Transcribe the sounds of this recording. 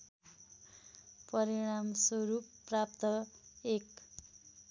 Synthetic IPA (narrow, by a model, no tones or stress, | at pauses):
pʌɾiɽ̃amsoɾupːrapt̪ʌek